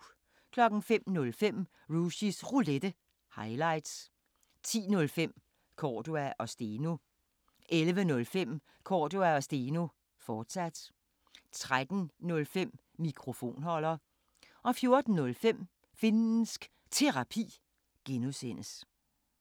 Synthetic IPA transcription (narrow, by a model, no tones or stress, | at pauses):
kʰlɒ̽ɡ̥n̩fem̰nɔ̽lfem̰ | ʁuɕisʁuled̥ə | hɑ̈ɪlɑ̈ɪd̥s | t͡sʰḭːnɔ̽lfem̰ | kʰɒːd̥uæʔɒ̽sd̥eːno̝ | ʔelʋənɔ̽lfem̰ | kʰɒ̰ːd̥uæɒ̽sd̥eːno̝ | fɒːd̥sæd̥ | t͡sʰʁad̥n̩nɔ̽lfem̰ | mikʰʁo̝fo̝̰ːnɦɒ̽l̰ɐː | ʔɒ̽fjo̝ɐd̥n̩ːɔ̽lfem̰ | fe̝nn̩sɡ̥ | t͡sʰe̝ʁɑ̈pʰḭː | ɡ̥enusen̰əs